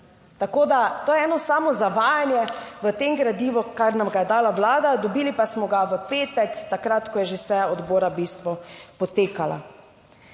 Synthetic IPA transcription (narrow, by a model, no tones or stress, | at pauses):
t̪akoːd̪at̪oːjɛɛːnɔsaːmɔzaʋaːjanjɛʋət̪eŋɡɾad̪iːʋɔkaɾnamɡajɛd̪aːlaʋlaːd̪ad̪ɔbiːlipasmɔɡaʋəpeːt̪ɛkt̪akɾat̪kɔjɛʒesɛɔd̪boːɾabiːst̪ʋɔpɔt̪eːkala̰